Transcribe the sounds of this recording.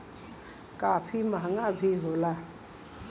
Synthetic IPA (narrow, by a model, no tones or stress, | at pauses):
kapʰimãŋabʱiɦola